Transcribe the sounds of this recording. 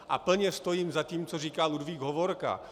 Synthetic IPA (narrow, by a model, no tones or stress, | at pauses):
ʔa̰pl̩ɲɛst̪o̞jiːmzaciːmt͡soriːkaːludviːɡɦovoɾka̰